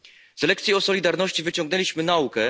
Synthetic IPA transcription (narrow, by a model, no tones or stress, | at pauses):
z̥ɛlɛkt̪sʲjiɔsɔlʲid̪aɾnɔɕt͡ɕivɘt͡ɕɔ̃ŋɡnɛlʲiɕmɘnaukɛ